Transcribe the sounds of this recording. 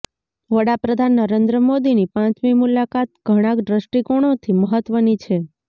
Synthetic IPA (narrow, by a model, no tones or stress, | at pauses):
ʋəɽapɾəd̪ʱanːəɾend̪ɾəmod̪inipãt͡ʃmimulakat̪̚ɡʱəɽ̃ãkɖɾəsʈikoɽ̃õt̪ʰiməɦət̪ʋənit͡ʃʰe